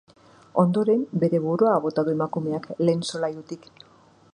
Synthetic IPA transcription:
o̞nd̪o̞ɾe̞mbe̞ɾe̞βuɾuaβo̞t̪aðue̞makume̞akle̞ːnso̞lajut̪ik

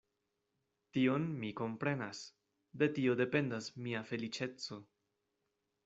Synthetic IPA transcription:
tio̞nmiko̞mpɾe̞nas | de̞tio̞de̞pe̞ndasmiafe̞lit͡ʃe̞t͡so̞

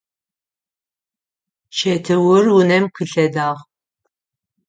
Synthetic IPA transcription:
t͡ʃʰɛtʰɨwʊrunɛmkʰɨɬɛdaːʁ

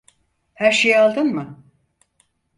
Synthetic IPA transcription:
hæɾʃejalˠd̪ɯnmɯ

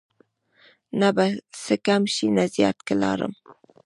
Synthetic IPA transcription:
nabasəkamʃinazjɑt̪kalɑ̰ɾə̰m

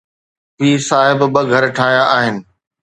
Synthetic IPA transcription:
piːsaːɦɪbbəɡʱɐɾʈʰaːɦjaʔaːɦɪnɪ̆

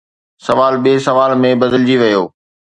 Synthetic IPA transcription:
sɐʋaːlɓiːsɐʋaːlmẽbɐd̪əld͡ʑiʋɐjoː

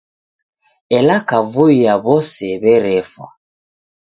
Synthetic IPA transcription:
ɛlakavuijaβɔsɛβɛɾɛfwa̰

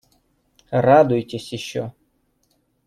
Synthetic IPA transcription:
rad̪ʊjtʲesʲjɪɕːɔ̰

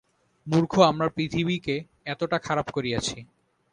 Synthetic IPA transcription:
muɾkʰoamɾapɾit̪ʰibike | ɛt̪oʈakʰaɾapkoɾiat͡ɕʰi

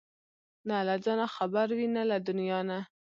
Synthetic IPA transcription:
nalad͡ʒɑnaxabaɾwinalad̪ʊnijɑna

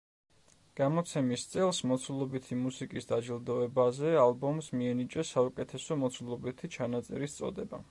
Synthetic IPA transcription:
ɡ̥amɔt̪sʰɛmist̪sʼɛlˠsmɔt̪sʰulˠɔbit̪ʰimusikʼisd̪ad͡ʒilˠd̪ɔɛbazɛalˠbɔmsmiɛnit͡ʃʼɛsaukʼɛt̪ʰɛsɔmɔt̪sʰulˠɔbit̪ʰit͡ʃʰanat̪sʼɛ̰ɾist̪sʼɔ̰d̪ɛba̰

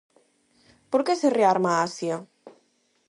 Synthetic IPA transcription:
poɾkesereaɾmaasja

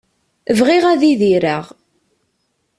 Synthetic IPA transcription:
əvʁiʁæðiðiɾaʁ

